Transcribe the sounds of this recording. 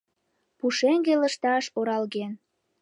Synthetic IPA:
puʃeŋɡeləʃt̪ɑʃoɾɑlɣen

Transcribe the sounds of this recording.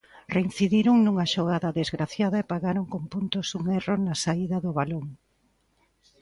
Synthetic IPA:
rein̟θiðiɾʊŋnuŋɐʃoɣ̞aðɐðezɣɾaθjað̞ɐepaɣaɾoŋkompunt̪ʊsuŋeronɐsaiðɐðʊβaloŋ

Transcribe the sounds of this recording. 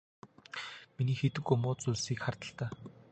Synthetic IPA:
miniːxet̪ɘ̆kɵmʊːt͡suɮsiːkχart̪ə̆ɬt̪aː

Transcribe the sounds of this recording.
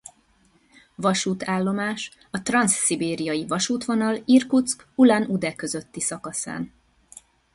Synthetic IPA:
vɒʃuːt̪ʰaːlːo̞maːʃ | ɒt̪rɒnsːibeːɾijɒjivɒʃuːt̪ʋo̞nɒlirkut̪skulanud̪ɛkø̞zø̞t̪ːisɒkɒsa̰ːn

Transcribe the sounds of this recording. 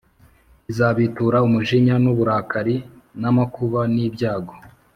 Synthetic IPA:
izaβituɾaumuʒiɲanuβuɾaːkaɾi | namakuβaniːbɟaːɡo

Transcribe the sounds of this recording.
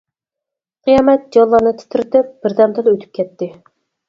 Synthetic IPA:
qʰijɑmɛt̪̚d͡ʒɑlˠːɑnɨt̪ʰɪ̥t̪ʰɪɾɪt̪ɪp̚b̥ɪɾd̪ɛmd̪ɨlˠøt̪ʰy̥p̚kʲʰɛt̪ːɪ

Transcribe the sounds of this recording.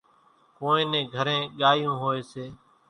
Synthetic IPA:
koːẽːnẽːɡʱəɾẽːɠaːjõːɦoːeːseː

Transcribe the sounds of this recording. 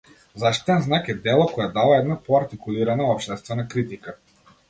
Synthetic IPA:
zaʃi̥t̪ɛnznakɛd̪ɛlˠɔkɔjɛd̪avaɛd̪napɔaɾt̪ikuliɾanaɔpʃt̪ɛst̪vɛnakɾit̪ika

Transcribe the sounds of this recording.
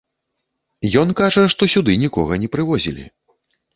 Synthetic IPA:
jɔnkaʐɐʂt̪ɔsʲud̪ɨnʲikɔ̰ɣɐnʲɛpɾɨvɔzʲḭlʲḭ

